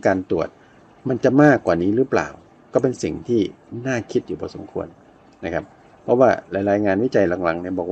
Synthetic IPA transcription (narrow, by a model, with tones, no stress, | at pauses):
kaː˧nt̪u˨˩ət̪̚ | ma˧nt͡ɕa˨˩maː˥˩kwaː˨˩niː˦˥ɾɯː˦˥pla̰ː˨˩w | kɔː˥˩pe˧nsi˨˩ŋt̪ʰiː˥˩ | naː˥˩kʰi˦˥t̪̚juː˨˩bʰɔː˧so̰˩˦mkʰu˧ənː | a˦˥kʰa˦˥p̚ʰː | ɔ˦˥waː˥˩ɾa˨˧˥jɾaː˧jŋaː˧nwi˦˥˩t͡ɕa˧jla˧mla˧ŋni˥˩ɐbɔː˨˩k̚w